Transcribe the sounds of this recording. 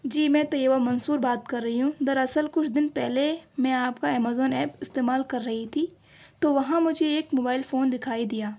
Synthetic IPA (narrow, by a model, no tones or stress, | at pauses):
d͡ʒiːmɛ̃ːt̪ɐjəʋamɐ̃nsuːɾbaːt̪kɐɾːɐɦiɦũd̪ɐɾɐsəlkʊt͡ʃʰd̪ɪnpɛɦlemɛ̃ːaːpkaɛːmaːzɔːnɛːpɪst̪eːmaːlkɐɾːɐɦit̪ʰi | t̪oʋɐɦãmʊd͡ʒʱeeːkmoːbaːɪlfoːnd̪ɪkʰaːid̪ijaː